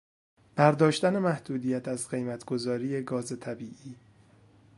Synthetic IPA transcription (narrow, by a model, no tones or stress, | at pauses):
b̥æɾd̪ɒːʃt̪æne̞mæhd̪̥uːd̪ijæt̪ʰæzɢe̞jmæt̪ʰɡ̥o̞zɒːɾiːje̞ɡɒːze̞t̪ʰæbiːʔiː